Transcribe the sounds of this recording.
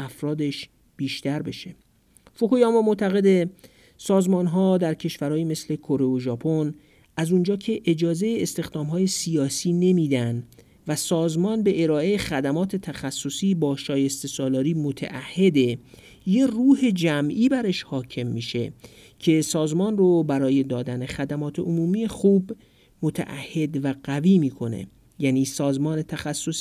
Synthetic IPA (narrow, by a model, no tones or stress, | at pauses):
ʔæfɾɒːd̪e̞ʃ | b̥iːʃt̪æɾbe̞ʃe | fokojɒːmɒmoʔt̪ʰæɣe̞d̪e̞ | sɒːzmɒːnɦɒːd̪æɾcʰe̞ʃvæɾhɒːjime̞sle̞kʰoɾe̞oʒɒːpʰon | ʔæzund͡ʒɒːcʰe̞ʔed͡ʒɒːze̞jeːst̪e̞xd̪̥ɒːmɦɒːje̞sijɒːsiːne̞miːd̪ænd̪ | væsɒːzmɒːnbe̞ʔeɾɒːe̞jexæd̪æmɒːt̪ʰe̞t̪ʰæxæsːo̞siːbɒːʃɒːje̞st̪e̞sɒːlɒːɾiːmot̪ʰæ̰ʔæhːe̞d̪e | jeruːhe̞d͡ʒæmʔiːbæɾe̞ʃhɒːcʰe̞mːiːʃe̞ | cʰe̞sɒːzmɒːnrobæɾɒːje̞d̪ɒːd̪æne̞xæd̪æmɒːt̪ʰeʔomuːmiːjeχuːb | mo̞t̪ʰæ̰ʔæ̰hːe̞d̪væɢæviːmiːkʰo̞ne̞̰ | jæːniːsɒːzmɒːne̞t̪ʰæxæsːosi